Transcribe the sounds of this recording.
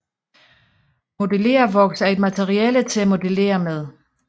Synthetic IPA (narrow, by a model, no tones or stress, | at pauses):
mo̝d̥ele̝̰ːɐʋɒ̽ɡ̥sæɐe̝d̥mæt͡sʰeʁiɛːlət͡sʰe̝læmo̝d̥ele̝̰ːɐmeð̞ˠ